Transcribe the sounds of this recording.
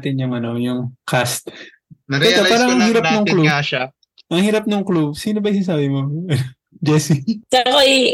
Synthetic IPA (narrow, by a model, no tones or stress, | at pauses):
t̪ɪnɐŋɐnojʊŋkʰast̪ | ɐɛt̪opaːɾɐŋɐŋhiːɾapnoŋklubaʃa | ʔɐŋhiːɾɐp̚noŋklub̚siːnobɐʔisɪnsaːbɪmo | d͡ʒɛsisako